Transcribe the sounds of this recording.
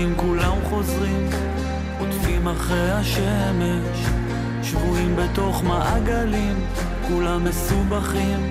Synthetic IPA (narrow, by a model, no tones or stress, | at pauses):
imkulamχo̞zʁim | kotvimaχʁejhaʃe | me̞ | ʃ | ʃvuimbe̞to̞χmaʔaɡalim | kulamːe̞subaχim